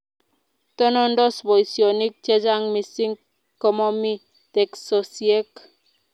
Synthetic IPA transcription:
t̪ɔ˦nɔ˦ndɔ˦sbo˨isio˨ni˦k̚t͡ʃe˦d͡ʒa˦ŋmi˨si˦ŋ | kɔ˨mɔ˦mi˦ | tɛ˨ksɔsie˦k

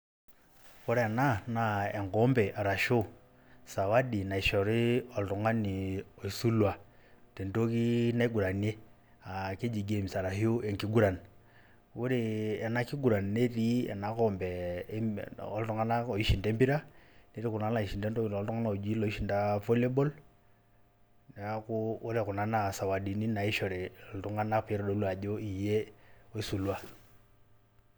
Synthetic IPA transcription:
u˦ɾɛ˨na˦na˨ɛ˨ŋɡɔ˦mbɛ˨ʔa˨ɾa˨ʃo˦ | sa˨wa˦di˨na˨i˨ʃɛ˨ɔ˨ɾi˦ɔ˨ltɔ˨ŋa˦ni˨ɔ˨i˨su˦lwa˨ | tɛ˨ndo˦ki˦na˦i˦ɡu˨ɾa˨ne˦ | a˨ke˦d͡ʒi˨ɡe˨mi˨sa˨ɾa˨hio˦ɛ˨ŋki˦ɡu˦ɾa˨n | u˦ɾi˦ɛ˨na˦ki˦ɡu˨ɾa˨n˨ne˦ɾi˦ɛ̰˨na˨˦kɔ˨mbɛ˦ | ɔ˦ltɔ˦ŋa˦na˦ɔ˨i˦ʃi˨nda˦mbi˦ɾa˦ne˦ɾi˦ku˨na˨˦la˨i˨ʃi˨nda˦ndɔ˦˨ɔ˨ltɔ˦ŋɡa˦na˦o˨d͡ʒi˦lɔ˨˦i˦ʃi˨nda˦fo˦le˦bɔ˦l | n˨˦ku˦u˦ɾe˨ku˨na˨˦na˦˨sa˨wa˨di˨ni˦na˨i˦ʃɔ˨ɾe˨ltu˦ŋa˦na˦pɾɔ˨do˨˦lwa˨ʄo˦i˨je˦o˦i˦su˨lwa˦

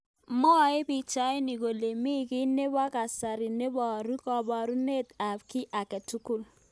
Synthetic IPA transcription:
mɔ˦˨e˦bi˦t͡ʃa˦i˦ni˨ko˨le˨mi˦˨ki˦ne˦ba˦ka˨sa˨ɾi˨ne˦bɔ˨ɾu˦kɔ˨ba˨ɾu˦ne˦˨ta˨pki˦ʔa˨kɛ˨tu˦ku˦˨l

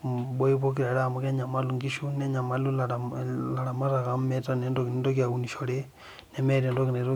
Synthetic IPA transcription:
bɔ˦i˦βo˦k̬i˦ɾa˨ɾa˦˨mo˨ka˦ɲa˨ma˦lu˨ŋɡiʃu˦nɛ˦ɲa˨ma˦lu˦l | la˨ɾa˨ma˦ɾa˨ka˨mmɛ˦ta˦nɛ˦ndo˦kini˦ndo˦k̬ja˨u˨ni˨ʃɔ˨ɾɛ˦ | nɛ˨mɛ˦ɾɛ˨ndo˦ki˨na˨˦ɾo˦

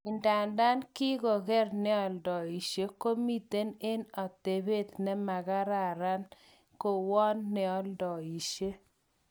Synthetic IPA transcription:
ɪ˨nda˨nda˦nkɪ˦ɡɔ˨ɡɛ˦rnɛ˦ɔ˨ldɔ˨i˨ʃe˦ko˦mi˦t̪e˦ne˦nɔ˨te˨be˦t̪nɛ˦ma˨ɡa˦ɾa˨ɾa˦n | ko˨wɔ˦nːɛ˨ɔ˦ldɔ˨i˨ʃe˦

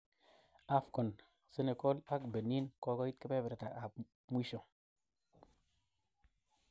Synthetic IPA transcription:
a˦fko˨n | se˦ne˨ko˦la˦kbe˨nːi˦nko˦ko˦ji˦t̪ke˦pe˦be˨ɾta˨ʔa˨p | mu˦ʃo˨

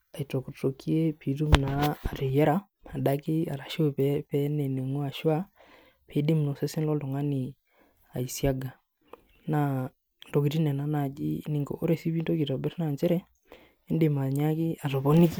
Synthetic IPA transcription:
a˨i˨to˨ko˨to˨ki˦e˦pi˨tu˦m̩˨naː˨te˨jɛ˦ɾa˦ | a˨ɗa˦ke˦a˨ɾa˨ʃo˦pɛpɛ˦nɛ˨ne˨ŋwa˨ʃwa˦ | pʰe˨˦de˦m̩u˨no˨sɛ˦se˦n˦lɔ˦ndɔ˨ŋa˦ni˨ | a˨i˨sja˦ɡa˨ | na˨ | ndo˨ki˨ti˦nɛ˨na˦na˨d͡ʒḭ˦ni˨ŋɡo̰˨ʔo˦ɾɛ˨si˦βi˦nto˦ki˨tɔ˨bɛ˦ɾi˦na˨nt͡ʃɛ˦ɾɛ˦ | e˦nde˨ma˨ɲa˦ki˦a˨tɔ˨βɔ˦ni˦ki˦

